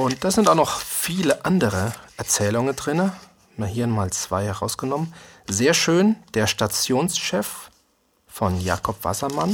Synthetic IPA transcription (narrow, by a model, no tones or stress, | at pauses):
ʔʊnt̚d̥aːzɪntaʊxnɔχfiːləʔandəʁəʔɛɐt͡sɛːlʊŋəndʁɪnə | mahiːɐnmaːlt͡sv̥a̰ɪhɛʁaʊsɡ̥ənɔmənzeːɐʃøːnd̥eːɐʃtat͡sjoːnsʃɛf | fɔnja̰ːkʰɔpv̥a̰sɐman